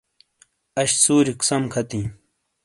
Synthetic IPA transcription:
ɐɕsuːɾiksɐmkʰɐt̪ĩː

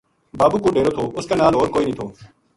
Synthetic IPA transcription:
baːbuːkoːɖeːɾoːt̪ʰoːʔʊskanaːlɦoːɾkoːiːnĩːt̪ʰoː

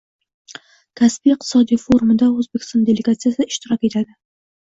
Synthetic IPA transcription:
kʲʰasbijɪq̚t̪ʰɪ̥sɒd̪ijfoɾumɪd̪aɵzbekʲʰɪ̥st̪ɔnd̪e̞leɡat̪sijasɪɪʃt̪ɪɾɒkʲe̞t̪ʰad̪ɪ

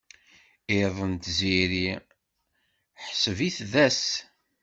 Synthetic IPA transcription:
eðˤənt̪ziɾi | ħsəviθðæs

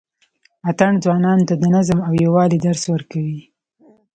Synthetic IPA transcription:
at̪aɳd͡zwɑnɑnt̪ad̪ənazəmawjawɑlid̪aɾswəɾkawi

